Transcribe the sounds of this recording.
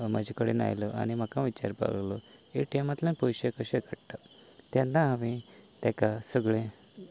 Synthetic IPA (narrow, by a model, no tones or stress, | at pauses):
mad͡ʑʱekəɽena̰jlɔʔa̰ñim̤akãʋit͡ɕa̰ɾpa̰llɔ | eʈemat̪lãnpɔjɕekəɕẽkəɽʈ̪a | t̪jãnːaɦaʋĩ | t̪jãkasəɡɭẽ